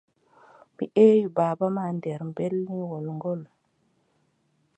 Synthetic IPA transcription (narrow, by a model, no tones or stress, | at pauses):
miʔejubabamandeɾmbelniwolŋɡol